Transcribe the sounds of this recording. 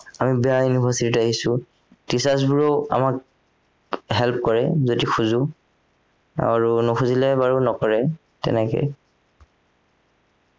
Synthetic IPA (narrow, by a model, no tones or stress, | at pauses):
amibɛjajunibʱaɹsititaɦisʊ | tisas̬buɹɔa̰mak̚ | ɦɛlp̚kɔɹɛzodixʰuzʊ | a̰ɹunɔxʰuzilɛbaɹunɔkɔɹɛ | tɛ̰nɛkɛ̰